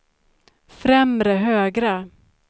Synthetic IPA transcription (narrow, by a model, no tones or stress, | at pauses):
fɾɛmɾəɦøːɡɾa